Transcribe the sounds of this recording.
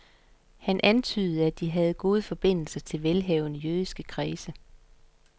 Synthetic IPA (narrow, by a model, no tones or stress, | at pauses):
hænʔænt͡sʰy̰ːð̞̩ˠəæd̥iɦæð̞̩ˠɡ̥o̝ːð̞ˠəfɒ̽b̥e̝n̰l̩sɐt͡sʰe̝lʋelɦɛʊnəjyð̞ˠisɡ̥əkʰʁiːsə